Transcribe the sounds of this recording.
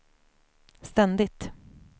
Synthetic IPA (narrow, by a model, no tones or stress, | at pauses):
st̪ɛnd̪ɪt̪